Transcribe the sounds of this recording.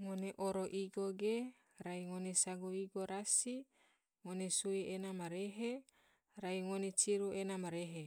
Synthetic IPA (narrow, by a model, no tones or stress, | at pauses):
ŋoneʔoɾoʔiɡoɡe | ɾaiŋonesaɡuiɡoɾasi | ŋonesuiʔenamaɾeɦe | raiŋonet͡ʃiɾuenamaɾeɦe